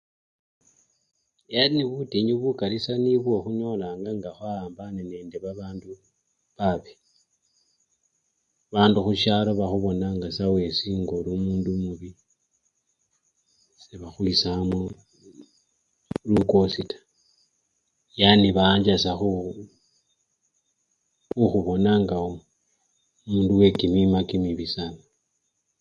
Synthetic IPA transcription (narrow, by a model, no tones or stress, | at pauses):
janiβutiɲuβukalisaniβwo̞xuɲo̞laːŋɡaŋɡaxwaaːmbanene̞ːndeβaβaːndu | βaβe | βaːnduxuʃaloβaxuβo̞naŋɡasawe̞siːŋɡolumuːndumuβi | seβaxwisamu | lukositḁ | janiβaːɲd͡ʒasaxu | uxuβo̞naŋɡaom | muːnduwe̞kimimakimiβisana